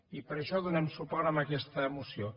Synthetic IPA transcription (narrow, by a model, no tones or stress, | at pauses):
ipəɾəʃɔðunemsupɔɾəmbəkɛst̪əːmusio